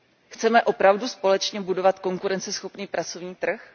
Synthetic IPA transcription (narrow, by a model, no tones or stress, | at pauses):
xt͡sɛmɛʔo̞pɾavduspo̞lɛt͡ʃɲɛbudo̞vat̪ko̞ŋkuɾɛnt͡sɛsxo̞pniːpɾat͡sovɲiːt̪r̩x